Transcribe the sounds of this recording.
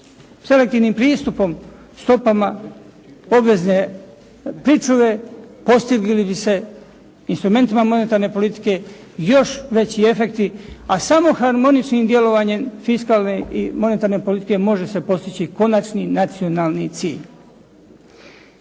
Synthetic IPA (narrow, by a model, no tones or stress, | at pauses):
se̞lekt̪iʋnimpɾiːst̪upo̞m | st̪o̞pama | o̞bʋe̞zne̞ | pɾit͡ʃuʋe̞po̞st̪iɡlilibise̞ | inst̪ɾume̞nt̪imamo̞ne̞t̪aɾne̞po̞lit̪i̥ke̞ | jo̞ʃʋe̞t͡ɕie̞fe̞kt̪iasamo̞xaɾmo̞nit͡ʃnimd̪je̞lo̞ʋaɲe̞mfiskaːlneimo̞ne̞t̪aːɾne̞polit̪ike̞mo̞ʒe̞se̞po̞st̪it͡ɕiko̞nat͡ʃninat̪sio̞naːlˠnit̪sḭːʎ